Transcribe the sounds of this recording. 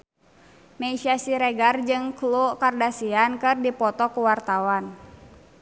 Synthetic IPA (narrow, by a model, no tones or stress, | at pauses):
meisiasiɾɛɡard͡ʒɨŋklukardasiankɨrdipɔt̪ɔkuwart̪awan